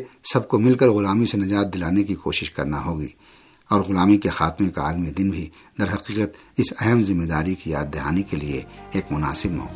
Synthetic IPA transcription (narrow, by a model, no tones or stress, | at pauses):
sɐb̚komɪlkəɾɣʊlaːmisenɐd͡ʒaːt̪̚d̪ɪlaːnekikoːʃɪʃkɐ̰ɾnaɦoːɡḭː | ɔːɾɣʊlaːmikexaːt̪mẽkaaːlmid̪ɪnbʱi | d̪ɐɾɦɐqiːqət̪ | ɪsɛɦɛmzɪmːed̪aːɾikija̰ːd̪̚d̪ɐɦaːnikelieeːkmʊna̰ːsɪbmɔ̰ːq